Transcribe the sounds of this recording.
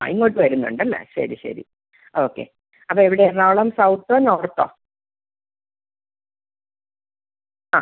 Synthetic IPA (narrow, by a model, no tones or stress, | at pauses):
a̰iŋːoʈːɨʋɐɾunːuɳɖɨmḛɕɐ̰ɾiɕɐ̰ɾḭ | oːkːḛ | ɐpːoːeʋiɽernaːɭɐmsɐwt̪ːoːnoːrt̪ːoː | aː